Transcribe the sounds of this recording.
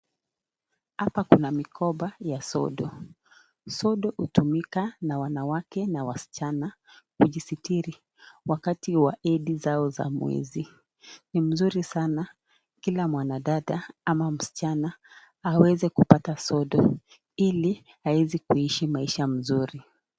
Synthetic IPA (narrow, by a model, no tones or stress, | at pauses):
hapakunamikʰɔɓajasɔ̰ɗɔ | sɔɗɔhutumikanawanawakɛnawasi̥t͡ʃana | kuʄisitiɾi | wakatiwaʔɛɗizaɔza̰mwɛ̰zi | nim̩zuɾisana | kilamwanaɗaɗaamam̩si̥t͡ʃana | awɛzɛkupatasɔɗɔ | ili | aɛzikuiʃimaiʃam̩zuɾi